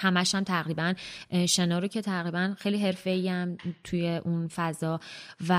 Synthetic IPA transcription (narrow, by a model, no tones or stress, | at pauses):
hæmæʃhæmt̪ʰæɣɾiːbænʃe̞nɒːɾocʰe̞t̪ʰæɣɾiːbænxejliːɦe̞ɾfe̞iæmt̪ʰujeʔunfæzɒːvæ